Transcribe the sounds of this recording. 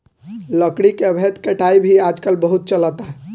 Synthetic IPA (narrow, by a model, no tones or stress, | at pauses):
ləkɽikebʱɛt̪kəʈaibʱiad͡ʒkəlbəɦut̪̚t͡ʃələt̪a